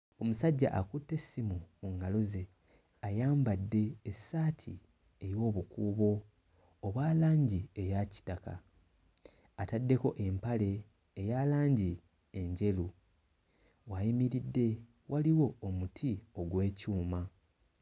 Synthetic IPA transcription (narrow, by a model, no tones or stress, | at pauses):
o̞musaɟːa̰ʔakutːe̞simumuŋɡalo̞ze̞ | ajaːmbadːe̞ːsaːtʰḭ | ejo̞ːβukuːβo̞ː | βwaːlaːɲɟiejaci̥taka̰ | tadːe̞ko̞ʔe̞mpale̞ː | jalaːɲɟi | e̞ɲɟe̞lu | wajimiɾidːe̞ | wʔaliwo̞omutʰio̞ɡwe̞ːcuːma